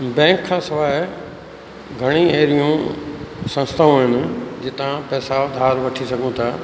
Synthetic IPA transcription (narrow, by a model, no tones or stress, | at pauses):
bɛ̃ːŋkʰːãːsɐʋaːɦɪ | ɡʱɐɽ̃ieːɾijũ | sɐ̃nst̪ʰaũɦɪnɪ̆d͡ʑɪt̪ãpɛːsaʊd̪ʱaːɾʋɐʈʰisɐɡʱũt̪ʰaː